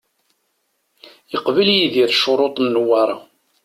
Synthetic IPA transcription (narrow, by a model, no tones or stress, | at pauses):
jəqvəljiðiɾʃʊɾˤot̪ˤnːwɑɾˤɑ